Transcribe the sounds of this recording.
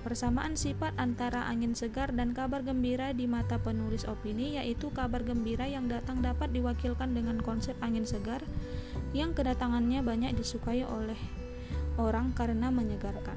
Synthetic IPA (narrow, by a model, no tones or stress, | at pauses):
pərsamaʔansifat̪ant̪aɾaʔaŋɪnsəɡardankabarɡəmbiɾadimat̪apənulɪsopinijaʔit̪ukabarɡəmbiɾajaŋdat̪aŋdapat̪̚diwakilkandəŋankɔnsɛp̚aŋɪnsəɡarjaŋkədat̪aŋanɲabaɲak̚disukaiʔolɛh | ʔoɾaŋkaɾənaməɲəɡarka̰n